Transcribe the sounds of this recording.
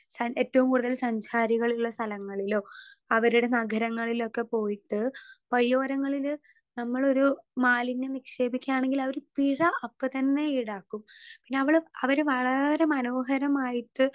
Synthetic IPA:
sɐe̞ːtːɐʋumkuːɽuðɐlsɐɲt͡ɕaːɾiɣɐɭiuɭːɐst̪ʰɐlɐŋːɐɭilo̞ː | ɐʋɐɾuɽe̞nɐɡʱɐɾɐŋːɐɭilo̞kːe̞po̞ːjiʈːɨpɐɻijo̞ːɾɐŋːɐɭil | nɐmːɐɭo̞ɾumaːlinːenikʂe̞ːbikʲːaːɳe̞ŋɡilɐʋɐɾupiɻɐʔɐpːɨt̪ɐnːe̞iɽaːkːumpinːe̞ɐʋiɭɐʋɐɾɨʋɐɭɐɾe̞mɐno̞ːɦɐɾɐmaːjiʈːɨ

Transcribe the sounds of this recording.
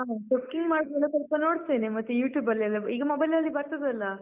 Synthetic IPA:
ɦaːt͡ʃokːiŋɡmaːɽdelːɐt̪ɔlpɐno̞ːɽt̪eːnemɐt̪ːujuːʈjuːbɐlːiɐlːɐiːɡɐmɐbɐjlɐlːibɐɾt̪ɐd̪ɐlːɐ

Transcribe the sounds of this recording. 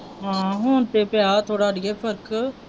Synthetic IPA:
ɦãːɦoːnt̪eːpjaːt̪ʰoːɽaːɖɪjeːpʰəɾk

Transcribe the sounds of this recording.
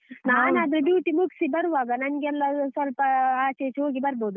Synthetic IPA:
naːnaːd̪ɾuɖjuːʈimuksibɐɾuʋaːɡɐnɐnɐɡeɛlːɐsʋɐlpɐaːt͡ʃeːt͡ʃɦoːɡibɐɾboːd̪u

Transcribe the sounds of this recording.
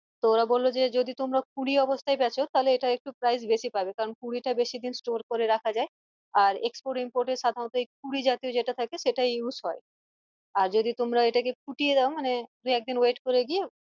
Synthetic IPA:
t̪ooɾabolːod͡ʑed͡ʑod̪it̪omɾak̚uɽiɔbost̪ʰaebɛt͡ɕʰot̪aɦoleeʈaek̚ʈupɾajs̬beʃipabekaɾonkuɽiʈabeʃid̪insʈoɾkoɾeɾakʰad͡ʑae | aɾekspoɾʈimpoɾʈeɾʃad̪ʱaɾont̪oejk̚uɽid͡ʑat̪iod͡ʑeʈat̪ʰakeʃeʈaeusɦɔe | aɾd͡ʑod̪it̪omɾaeʈakekuʈijedaomaned̪ujɛk̚d̪inweʈkoɾeɡije

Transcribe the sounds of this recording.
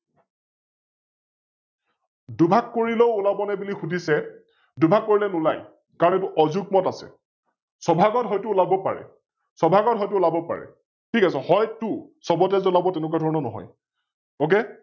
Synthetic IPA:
dʊbʱakːoɹileʊulabɔnɛbulixudʱisɛ | dʊbʱakːoɹilɛnulaj | kaɹɔnɛtʊʔɔzuk̚mɔtasɛ̰ | sɔbʱaɡɔtɦɔjtuːlabɔpa̰ɹɛ̰ | sɔbʱaɡɔtɦɔjtʊulabɔpa̰ɹɛ̰ | tʰikasɛhɔjtʊsɔbɔtɛzɔlabɔtɛnɛk̬wadʱɔɹɔnɔnɔɦɔ̰j | ok̬e

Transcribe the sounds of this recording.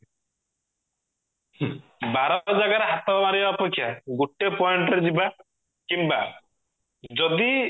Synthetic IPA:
baɾɔd͡ʒaɡaɾeɦat̪ɔmaɾiɔːpekʰːjaɡuʈːepɔeɳʈɔɾed͡ʒiba | kimba | d͡ʒɔd̪i

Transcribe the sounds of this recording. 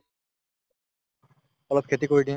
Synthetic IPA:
ələt̪kʰeːt̪iːkoːiɖĩ

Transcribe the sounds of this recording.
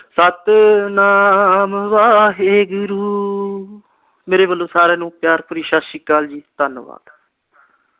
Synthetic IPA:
sət̪naːmʋaːɦeːɡʊɾuː | meːɾeːbəlːoːsaːɾeːnũːpjaːɾpʊɾiːʃaːsiːkaːld͡ʒiːt̪ənʋa̰ːd̪

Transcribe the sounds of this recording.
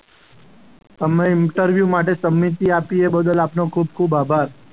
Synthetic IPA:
t̪əmẽɪɳʈəɾʋjumaʈesəmːit̪iapiebəd̪əlapnokʰub̚kʰubabʱaɾ

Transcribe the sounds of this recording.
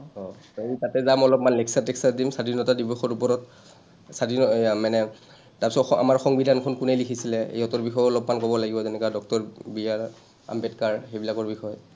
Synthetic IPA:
ɔ | eitatɛzamɔlɔpmanlɛksatɛksatdimsadinɔtadibɔxɔɹupɔɹɔt | sadiɔmanɛ | tapsɔa̰maɹxɔŋbidʱankʰɔnkunejlikʰisilɛḛjɔtɔɹbixɔjɔlɔpmankɔbɔlaɡibɔzɛnɛkadɔk̚tɔɹbiaɹ | a̰mbɛtkaɹxejbilakɔɹbixɔj

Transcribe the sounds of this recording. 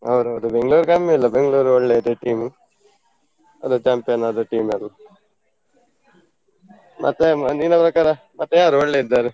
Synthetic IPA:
ɐ̰ʋɐɾuɐʋɐd̪ubeŋɡɭuːɾkaːmiɐlːɐbeŋɡɐɭuːɾuoɭːed̪eʈiːm | ɐ̰d̪ut͡ʃaːmpijɐnɐd̪uʈiːmɐlːɐ | mʔɐ̰t̪ːed̪inːɐpɾɐkaːɾɐ | mʔɐt̪ːejaːɾuoɭːeid̪ːaːɾe

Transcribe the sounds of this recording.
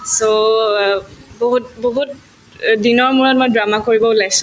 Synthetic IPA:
so | boɦut̚boɦut | dinɔɹmuɹɔt̚mojdɹamakoɹibɔulajs

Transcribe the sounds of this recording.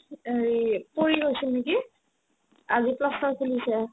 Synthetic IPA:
eɹipoɹiɡojsinneki | aziplɔstɔkʰilisɛ

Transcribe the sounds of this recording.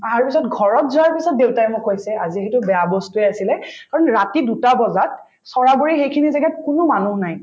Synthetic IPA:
aɹpisɔtɡʱɔɹɔtzuaɹpisɔt̚dewtaɛmʊkʰːojsɛaziɦɛtʊbɛjabɔstuɛasilɛkaɹɔnɹatidutabɔzat̚ | sɔɹaɡoɹixejkʰinizɛɡɛt̚kʊnʊmanuɦnaj

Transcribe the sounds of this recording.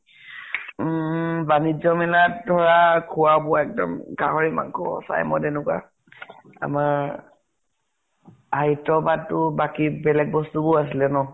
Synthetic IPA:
banid͡ʒɔmɛlat̚dʱɔɹakʰuwabɔɛk̚dɔ̰mɡaɦɔɹima̰ŋkɔ̰sa̰jmɔdɛnʊka̰ | a̰maɹ | ajtɔbad̚tʊbakibɛlɛk̚bɔstubʊasilɛnɔ

